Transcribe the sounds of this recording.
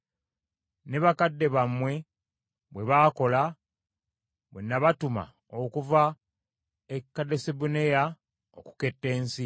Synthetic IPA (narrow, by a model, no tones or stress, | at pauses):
ne̞βakadːe̞βamwe̞ | βwe̞βaːko̞la | βwe̞̰nːaβatuma̰ | okuva | ekːadesebuneja | oku̥ke̞tːe̞ːnsi